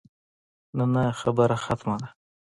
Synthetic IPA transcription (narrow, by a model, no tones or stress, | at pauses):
nanaxabəɾaxat̪mad̪a